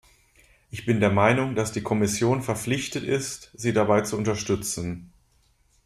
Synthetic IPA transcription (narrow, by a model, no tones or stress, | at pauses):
ʔɪçb̥ɪndeːɐmaɪnʊŋdasd̥iːkʰɔmɪsjoːnfɛɐflɪçtətɪstz̥iːdabaɪt͡suʊntɐʃtʏt͡sn̩